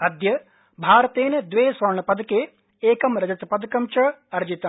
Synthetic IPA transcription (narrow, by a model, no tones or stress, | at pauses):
ɐd̪jɐ | bʱaːɾɐt̪eːnɐd̪ʋeːsʋɐɾɳɐpɐd̪keː | eːkɐmɾɐd͡ʒɐt̪ɐpɐd̪kɐmt͡ʃɐɐɾd͡ʒit̪ɐ